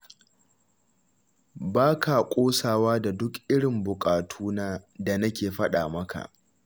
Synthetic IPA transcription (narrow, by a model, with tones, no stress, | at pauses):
baː˦ka˨kʷʼoː˦saː˨waː˦da˨dʊ˦kʔɪ˦ɽɪ˨mbʊ˨kʼaː˨tʰuː˦naː˦da˨nɐ˦kʲeː˨ɸɐ˦ɗa̰ː˨mɐ˦ka̰˨ʔ